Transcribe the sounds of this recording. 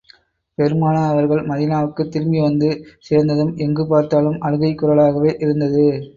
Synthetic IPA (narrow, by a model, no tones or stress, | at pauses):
pɛɾɯmaːnɐɐʋɐɾɣɐɭmɐðɪnaːʋɯkːɯt̪ːɪɾmbiʋɐnd̪ɯseːɾnd̪ɐðɯmɛŋɡɯpaːɾt̪aːlɯmʔɐɻɯɣɐɪkːʊɾɐɭaːɣɐʋeːʔɪɾɯnd̪ɐðɯ